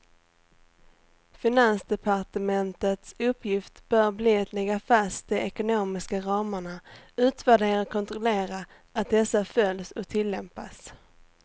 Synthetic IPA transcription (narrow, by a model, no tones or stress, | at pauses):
fɪnansd̪ɛpʰaʈəmɛnt̪ət̪sɵpʰːjɪft̪b̥œːɾbliːɛt̪lɛɡːafast̪̚d̪ɛɛkʊnoːmɪskaɾɑːməɳaʉ̟ːt̪væɖeːɾakʰɔnt̪ɾʊleːɾa | at̪̚d̪ɛsːafœlsɔt̪ʰɪlːɛmpa̰s